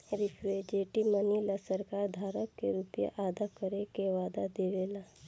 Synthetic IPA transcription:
ɾɪpʰed͡ʒeːʈimənilasəɾkaːɾd̪ʱaːɾəkːeɾupja̰ʔaːd̪akəɾekeʋaːd̪ad̪eːʋeːlaː

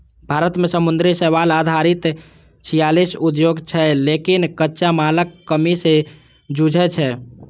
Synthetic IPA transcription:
bʱaɾət̪mesəmund̪ɾisɛβalad̪ʱaɾit̪ | t͡ʃʰijalisud̪joɡt͡ʃʰɛlekinkətːʃamaləkːəmisẽ | d͡ʒud͡ʒʱɛt͡ʃʰɛ

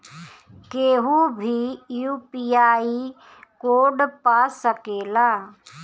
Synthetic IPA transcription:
keːɦũbʱijuːpiaːi | koːɖpasəkeːlaː

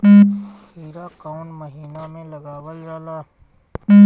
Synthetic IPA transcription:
hiːɾakaʊnməɦiːnamẽlɐɡaːwəld͡ʒaːlaː

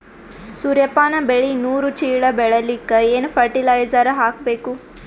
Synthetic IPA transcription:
suɾjɐpːaːnɐbeɭinuːɾut͡ʃiːɭɐbɛɭɐlikːeeːnpʰɐɾʈilɐjzɐɾɐɦaːk̚beːku

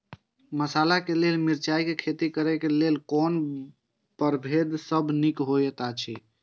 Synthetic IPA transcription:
məsalakelelmiɾt͡ʃaikekʰet̪ikəɾɛkelelkon | pəɾbʱed̪səbʱnikɦojət̪at͡ʃʰi

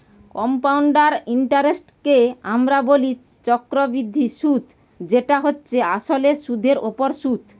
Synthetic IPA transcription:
kɔmpawɳɖaɾiɳʈaɾesʈkeamɾaboli | t͡ɕɔkɾobɾid̪ʱːiʃut̪ | d͡ʑeʈaɦotːɕʰeaʃoleʃud̪ʱeɾopoɾʃut̪

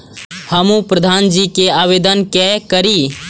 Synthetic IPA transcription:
həmũpɾəd̪ʱaːnd͡ʒikeaːʋeːd̪ənkɛkəɾi

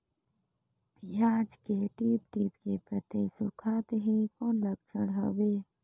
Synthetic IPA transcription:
pjaːd͡ʒkeʈiːp̚ʈiːpkepɾət̪esʊkʰaːt̪eɦẽkɔːnləɡ̚t͡ʃəɽɦa̰ːweː

